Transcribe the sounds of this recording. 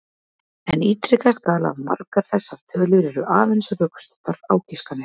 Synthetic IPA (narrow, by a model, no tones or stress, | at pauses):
ɛniːt̪ɾɪkaskaːla̰vma̰ɾkaɾ̥θɛsːaɾ̥t̪ʰœːlʏɾɛɾʏʔaːðɛnsrœːkst̪ɔt̪aɾaːwciskanːɪ